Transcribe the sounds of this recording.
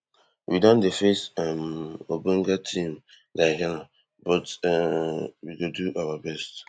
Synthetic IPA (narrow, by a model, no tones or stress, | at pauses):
widɔ̃ndefesɛmobõŋɡatʰĩm | daɦana | bɔt | wiɡoduʔawabɛst